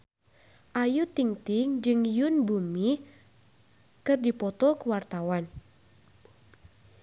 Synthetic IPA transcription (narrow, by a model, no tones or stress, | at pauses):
ʔajut̪iŋt̪ɪŋd͡ʒɨŋjunbumi | kɨrdipɔt̪ɔkəwart̪awan